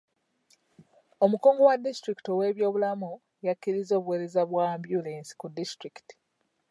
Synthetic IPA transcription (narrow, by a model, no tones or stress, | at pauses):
o̞muko̞ːŋɡo̞wadːistɾiki̥towe̞ːβjo̞ːβulamu | jakːiɾizo̞ːβwe̞ːɾe̞zaβwambjule̞ːnsi̥kudːistɾiki̥ti̥